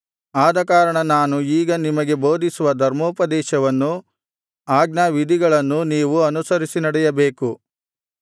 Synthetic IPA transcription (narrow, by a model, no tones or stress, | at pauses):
aːd̪ɐkaːɾɐɳɐnaːnuiːɡɐnimɐɡe̞bo̞ːd̪isuʋɐd̪ʱɐɾmoːpɐd̪ɛːʃɐʋɐnːu | aːɡnaːʋid̪ʱiɡɐɭɐnːuniːʋuɐnusɐɾisinɐɽɛjɐbe̞ːku